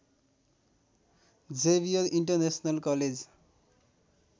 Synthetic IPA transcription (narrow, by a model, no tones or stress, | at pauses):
d͡ʒebioɾiɳʈəɾnesnalkɔled͡ʑ